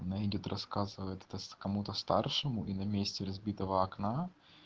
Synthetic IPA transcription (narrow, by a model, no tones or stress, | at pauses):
ɐnaɪdʲot̪rʔɐskazɨvəjɪt̪ɛ̥t̪əskɐmut̪əst̪arʂɨmʊʔinɐmʲesʲtʲɪɾɐzbʲit̪əvəɐkna